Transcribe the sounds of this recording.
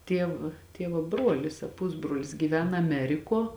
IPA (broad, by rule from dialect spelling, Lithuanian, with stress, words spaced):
ˈtʲiɛw ˈtʲiɛʋoː ˈbruɔlʲɪs ɐ ˈpʊzbroːlʲɪs ɡʲiːˈʋʲæːnɐ ɐˈmʲæːrʲɪkuɔ